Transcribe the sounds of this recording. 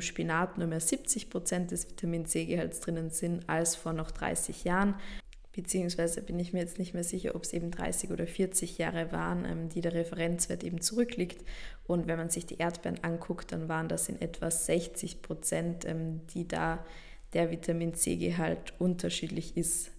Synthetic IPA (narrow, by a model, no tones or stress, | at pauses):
ʃpinaːtnuːɐmeːɐzip̚t͡sɪçpʁ̥ot͡sɛnt̚d̥ɛsv̥itʰamiːnzeːɡəhaltsd̥ʁ̥ɪnənz̥ɪntalsfoːɐnɔχd̥ʁa̰ɪsɪçjaːʁən | b̥ət͡siːʊŋsv̥aɪzəb̥ɪnɪçmiːɐjɛt͡stnɪçtmeːɐzɪçɐ̰ʔɔpsʔeːbm̩dʁa̰ɪsɪçoːdɐfɪɐt͡sɪçja̰ːʁəva̰ːʁənʔɛ̰ːmdiːdeːɐʁɛfəʁɛnt͡sv̥eːɐtʔeːbm̩t͡sʊʁʏkʰliːktʔʊntvɛnmanzɪçd̥ḭːʔeːɐtb̥ɛɐənʔankʰʊktd̥a̰nvaːʁəndasɪ̰nʔɛ̰tv̥az̥ɛçt͡sɪçpʁ̥ot͡sɛntʔɛmd̥iːda̰ː | d̥eːɐvitʰamiːnz̥ḛːɡəɦaltʔʊntʰɐʃiːdlɪçɪst